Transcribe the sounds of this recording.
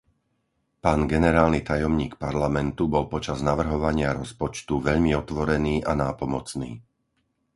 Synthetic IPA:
paːnɡɛnɛɾaːlnit̪ajɔmɲiːkpaɾlamɛnt̪ubɔlpɔt͡ʃaznaʋr̩ɦɔʋaɲɪaɾɔspɔt͡ʃt̪uʋɛʎmiɔt̪ʋɔɾɛniːʔanaːpɔmɔt͡snḭː

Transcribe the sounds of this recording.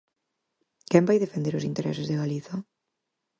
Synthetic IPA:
kɛmbajðefend̪eɾʊsint̪eɾʔɛ̰sɪzðeɣaliθa

